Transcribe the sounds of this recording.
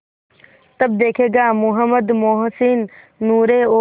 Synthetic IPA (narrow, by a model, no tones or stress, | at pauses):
t̪ɐbd̪eːkʰeːɡaːmʊɦəməd̪moːɦsinː | uːɾeoː